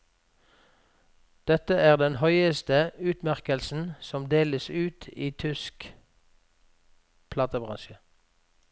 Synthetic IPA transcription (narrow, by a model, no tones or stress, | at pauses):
d̪̥ɛt̪əæːʁd̪ɛnhœʏəst̪əʉːt̪mæʁkəlsn̩sɔmd̪eːləsʉːt̪ʰiːt̪ʰʏsk | pʰlɑːt̪əbʁɑ̰nʃə